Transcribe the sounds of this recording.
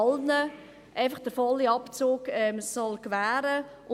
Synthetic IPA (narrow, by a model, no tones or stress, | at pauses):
lnə | ʔaɪfəχd̥əɾfɔlːiɑpt͡soːkɛmsːɔlkʋæːɾə | ʔʊ